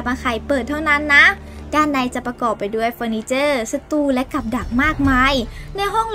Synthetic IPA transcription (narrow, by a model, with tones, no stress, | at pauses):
p̚ʔa˧kʰa˨˩jpɤː˨˩t̪ʰːa˥˩wna˦˥˨nːa˦˥ | d̥aː˥˩nːa˧˩jt͡ɕa˨˩pɾa˧kɔː˨˩pːa˨jdu˥˩əjfɤː˧niː˧˥t͡ɕɤː˥˩sa˧t̪uː˧˩lɛ˦˥ka˨˩p̚da˨˩k̚maː˥˩k̚maː˧jna˧˥jɦɔ˥˩ŋl